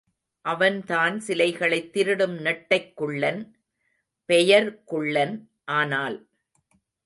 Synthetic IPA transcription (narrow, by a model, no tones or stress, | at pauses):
ʔɐʋɐnt̪aːnsɪlɐɪɣɐɭɐɪt̪ːɪɾɯɽɯmnɛʈːɐɪkːɯɭːɐn | pɛjɐɾkʊɭːɐn | ʔaːnaːl